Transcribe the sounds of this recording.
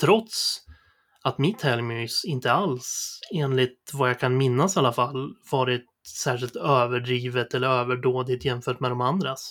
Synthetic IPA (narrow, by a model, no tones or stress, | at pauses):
t̪ʰɾɔt̪s | at̪mɪt̪ʰhɛlmyːsɪnt̪əalseːnlɪt̪vajakʰanmɪnːasalːafalːvɑːɾɪt̪̚sæːʂ̬ɪlt̪øːvəɖɾiːvət̪ɛlːəɾøːvəɖoːd̪ɪt̪jɛmfœːʈmɛd̪ɔmand̪ɾas